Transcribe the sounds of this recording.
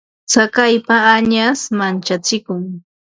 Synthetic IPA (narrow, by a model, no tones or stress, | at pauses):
t͡sakajpaːɲasmant͡ʃat͡sɪkʊŋ